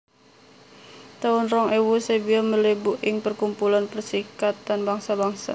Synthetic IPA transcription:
t̪aʊnrɔŋʔewusebiɔməlebuʔɪŋpərkumpulanpərsikat̪̚danbaŋsabaŋsa

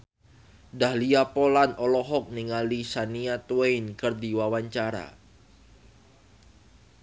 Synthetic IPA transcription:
dahliapolanɔlɔɦɔk̚niŋalisaniat̪uwejnkɨrdiwawaɲt͡ʃaɾa̰

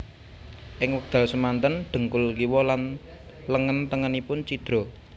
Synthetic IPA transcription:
ʔɪŋwək̚d̪̥ä̤lsəmant̪ənɖ̪̥ə̤ŋkʊlkiwɔlan | ləŋənt̪əŋənipʊnt͡ʃid̪̥ɾɔ

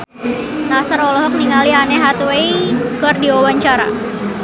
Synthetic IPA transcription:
nasaɾɔlɔɦɔk̚niŋalianɛɦat̪uwejkərdiɔwaɲt͡ʃaɾa̰

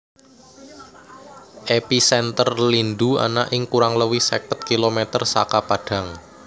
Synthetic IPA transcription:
ʔepisɛnt̪ərlindua̰naʔɪŋkuɾaŋləwisɛkət̪̚kilomet̪ərsakapaɖ̥ä̤ŋ

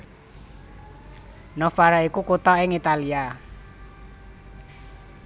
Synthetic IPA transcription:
nɔfaɾaikukut̪ɔɪŋit̪alia

